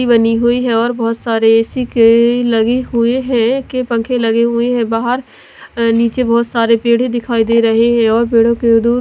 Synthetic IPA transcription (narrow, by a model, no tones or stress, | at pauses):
ibəniɦʊiɦɛ̃ɔːɾbɔːt̪saːɾeɛːsikelɐɡeɦʊeɦɛ̃kepɐ̃ŋkʰẽlɐɡeɦʊeɦɛ̃ːbaːɦəɾ | niːt͡ʃebɔːt̪saːɾepeːɽ̤d̪ɪkʰaːid̪eːɾɐɦeɦɛ̃ɔːɾpeːɽ̤õked̪uːɾ